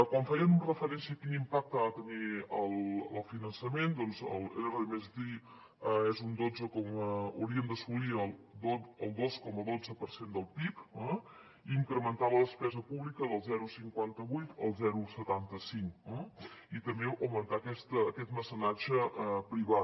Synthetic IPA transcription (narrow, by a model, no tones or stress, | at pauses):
kwaɱfɛjənurəfəɾɛnsiəkinimpak̚t̪aat̪əniəlˠəlˠfinənsəmend̪ɔnzə̰lˠḛɾərəimezi | əɛzund̪od͡zəkɔməə̰wɾiəmnd̪əsuliəlˠd̪oəlˠd̪oskɔməðod͡zəpəɾsend̪əlˠpikə | iŋkɾəmənt̪aβələspɛzəpuβlikəðəlˠzɛɾusiŋkwant̪əβujt̪ə̰lˠzɛɾusət̪ant̪əsiŋkəit̪əmbeʔəwmənt̪akɛst̪əːkɛt̪məsənad͡ʒəəpɾiβat̪